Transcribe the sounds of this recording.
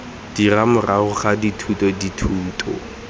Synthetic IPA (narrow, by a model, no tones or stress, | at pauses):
d̥iramʊrʔaʊχaditʰutʼɔditʰuːtʰʼɔ̰